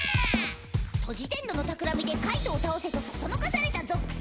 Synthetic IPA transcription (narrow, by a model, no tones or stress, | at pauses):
t̪ʰo̞ʑit̪ẽ̞nd̪o̞no̞t̪akɯ̟ɾamʲid̪e̞kait̪o̞ːt̪aose̞t̪o̞sosono̞kasaɾe̞t̪azo̞kːɯ̟̥